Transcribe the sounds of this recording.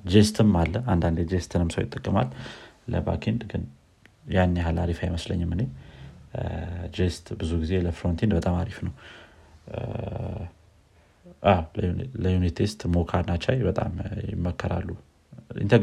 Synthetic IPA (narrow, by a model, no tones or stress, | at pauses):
d͡ʒest̪ʰɨmalːəand̪and̪ed͡ʒest̪ʰɨnɨmsə̰wjɪt̪ʼːəkʼːəma̰lːə̰ba̰kʰend̪ɡɨn | janːeɦalaɾifajməslə̰ɲːɨmɨne | d͡ʒest̪bɨzuɡize̞ləfɾont̪ʰend̪bət̪ʼamaɾifnəw | ʔawlləjunit̪ʰest̪mokʰaɾnat͡ʃːajbət̪ʼa̰mjɪ̰mːəkːəɾa̰lːu | jɪ̰nt̪ʰə